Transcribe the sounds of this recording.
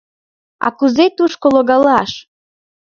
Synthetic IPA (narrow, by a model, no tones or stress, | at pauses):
a̰kuzet̪uʃkoloɡalaʃ